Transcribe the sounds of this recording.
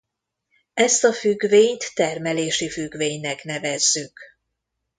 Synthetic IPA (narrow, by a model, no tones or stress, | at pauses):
ɛst̪ɒfyɡveːɲt̪ːɛrmɛleːʃifyɡveːɲnɛkn̪ɛvɛzːyk